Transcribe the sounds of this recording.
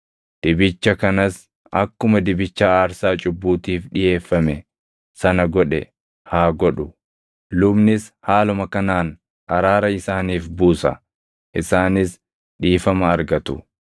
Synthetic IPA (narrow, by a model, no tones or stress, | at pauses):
d̪̥ɪbɪt͡ʃːɐkɐnɐs | ɐkːʊmɐd̪ɪbɪt͡ʃːaːaːɾsaːt͡ʃʼʊbːuːt̪iːfɗɪje̞ːfːɐmɛ | sɐnɐɡɔᶑɛ̰ | haːɡɔɗʊ | lʊbnɪshaːlʊmɐkɐnaːn | ʔɐɾaːɾɐɪsaːniːfbuːsɐ̰ | ʔɪsaːnɪs | ᶑiːfɐmɐːɾɡɐt̪ʊ